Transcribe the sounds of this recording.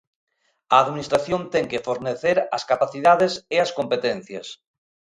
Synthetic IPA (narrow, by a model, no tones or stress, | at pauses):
aːðminist̪ɾaθjont̪eŋkefoɾneθeɾa̰skapaθiðað̞eseaskõmpet̪ẽn̟θjas